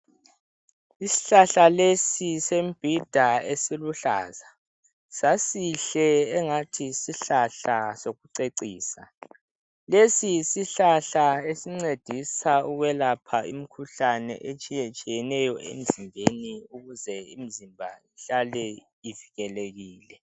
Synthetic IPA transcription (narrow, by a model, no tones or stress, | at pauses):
isi̥ɬaɬalesisemb̥ʱid̥ʱaesiluɬa̰ːza | sasiɬɛːŋatʰisiɬaɬasoɣuǀeǀiːsa̰ | lesisiɬaɬaesiŋ͡ǀed̥ʱisauɣwɛlapʰaim̩kʰuɬanɛ̰ʔet͡ʃʼijet͡ʃʼijɛnɛjɔʔḛm̩zimbʱeniuɣuzɛḭm̩zimbʱaiɬalɛ | iviɣɛleɣiːlɛ